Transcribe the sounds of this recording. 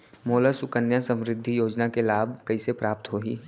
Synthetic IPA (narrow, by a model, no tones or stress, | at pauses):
moːləsʊkənjasə̃mɾɪd̪ʱːijoːd͡ʒnakelaːbʱkɐisepɾaːp̚t̪ɦoːḭː